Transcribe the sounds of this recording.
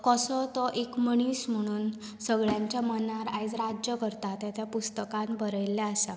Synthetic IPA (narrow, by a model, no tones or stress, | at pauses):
kəsɔt̪ɔʔekməɽ̃iːsm̤əɽ̃uːn | səɡɭjaɲt͡ɕjamənaɾajd͡zɾad͡ʑjəkəɾt̪at̪jat̪ʰjapust̪əkãnbəɾəjlːaəsa